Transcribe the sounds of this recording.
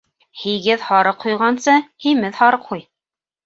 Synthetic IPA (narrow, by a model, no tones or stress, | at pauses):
hiɡɘðhɑɾɤqʰːujʁɑnsɤhimɘðhɑɾɤqʰuj